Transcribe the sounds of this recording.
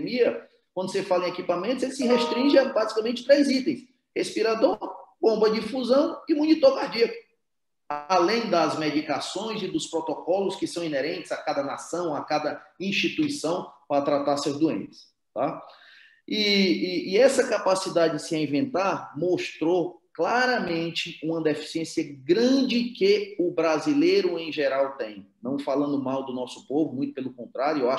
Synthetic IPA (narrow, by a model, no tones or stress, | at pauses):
miɐ | kwɐ̃nd̪ʊsefalɐẽekipamẽnt̪ʊzelɪsɪɦeʃt̪ɾĩʒɪabazi̥kamẽnt͡ʃɪ̥t̪ɾejzit̪ẽj̃s | hespiɾad̪oɾbõmbɐd͡ʒifuzɐ̃w̃ɪmũnit̪oɾkaɾd͡ʒiɐkʊ | alẽj̃d̪ɐzmed͡ʒikasõj̃zɪd̪ʊspɾɔt̪ɔkɔlʊskɪsɐ̃w̃ineɾẽnt͡ʃɪ̥z̥akad̪ɐnasɐ̃w̃akad̪ɐĩʃt͡ʃit̪uisɐ̃w̃paɾɐt̪ɾat̪aɾsewd̪uḛ̃t̪ɪ̥s | t̪a | iiːɛsɐkapasid̪ad͡ʒɪd͡ʒɪsɪaĩvẽnt̪aɾmoʃt̪ɾoklaɾɐmẽnt͡ʃɪũmɐd̪efi̥siẽsiɐɡɾɐ̃d͡ʒɪkɪʊbɾazilejɾʊẽj̃ʒeɾawt̪ẽj̃nɐ̃w̃falɐ̃nd̪ʊmawd̪ʊnɔsʊ̥povʊmũj̃t̪ʊ̥pelʊkõnt̪ɾaɾjuewa